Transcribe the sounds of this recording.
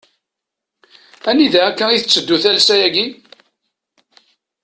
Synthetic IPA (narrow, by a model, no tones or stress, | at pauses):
æniðæækːæiθət͡sːəd̪ːuθælsæjæɡi